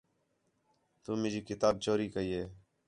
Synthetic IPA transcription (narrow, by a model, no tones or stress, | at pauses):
t̪uːmeːɾiːkɪt̪aːb̚t͡ʃoːɾiːkəiːeː